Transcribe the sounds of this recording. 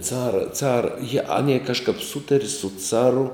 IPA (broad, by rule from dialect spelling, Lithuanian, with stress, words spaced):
ˈt͡sɑːrɐ ˈt͡sɑːrɐ jiɛ ˈɑːnʲiɛ kɐʃˈkɐp ˈsʊtɐrʲɪ sʊ ˈt͡sɑːrʊ